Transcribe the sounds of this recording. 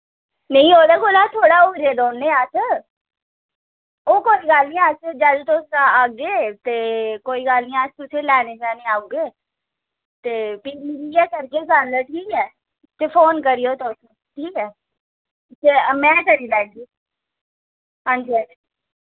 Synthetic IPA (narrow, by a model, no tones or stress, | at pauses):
nɐ̃ĩɦoːd̪akoːlat̪ʰoːɽaoːɾed̪oːnːẽaːsə | okoːiɡaːlnĩaːsed͡ʒaːd̪t̪oːskaaːɡd͡ʒet̪ekoːiɡaːlnĩaːst̪ʊsʰelɛːned͡ʒaːneaːũɡeː | t̪eːpiːbiːbiːɛːkɐɾkekanləʈʰiːkɛː | t̪efoːnkəɾijoːt̪oːse | ʈʰiːkɛː | semɛ̃ːkɐɾilɛːɡiː | ə̃ɳɖɛːʈ